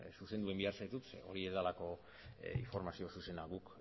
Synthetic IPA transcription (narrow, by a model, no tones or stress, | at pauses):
suse̞nd̪ue̞mbiaɾsajt̪ut̪sḛo̞ɾiezðalako̞ | ḭɱfo̞ɾmasio̞suse̞naɣuk